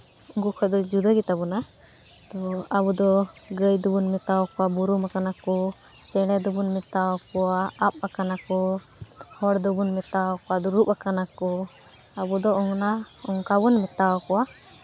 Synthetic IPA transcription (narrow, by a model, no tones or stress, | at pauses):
ɡukʰɔd̪ɔd͡ʒud̪əɡit̪abuna | t̪ɔabud̪ɔɡəjd̪ubunmɛt̪awɔkɔwabuɾumakanakɔ | t͡ʃɛɽɛd̪ubunmɛt̪awɔkɔwaap̚akanakɔ | hɔɽd̪ubunmɛt̪awɔkɔwad̪ɔɾupakanakɔ | abud̪ɔɔŋnaɔŋkabunmɛt̪awɔkɔwa